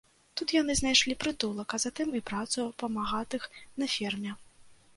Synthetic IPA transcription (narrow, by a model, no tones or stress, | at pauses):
t̪ut̪janɨznajʂlʲipɾɨt̪ulˠɐkɐzat̪ɨmipɾat̪supɐmaɣat̪ɨxnɐfʲɛrmʲɛ